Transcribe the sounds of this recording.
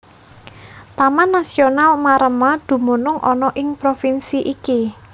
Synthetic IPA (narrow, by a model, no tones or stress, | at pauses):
t̪amanːasionalmaɾəmad̪̥ṳmonʊŋʔɔ̰nɔʔɪŋpɾofinsiʔiki